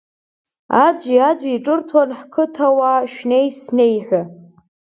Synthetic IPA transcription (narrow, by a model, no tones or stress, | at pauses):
ad͡ʒʷiad͡ʒʷaiʈ͡ʂʼɨrtʰwanħkʰɨtʰawaʃᶣne̞jsne̞jħʷᶣa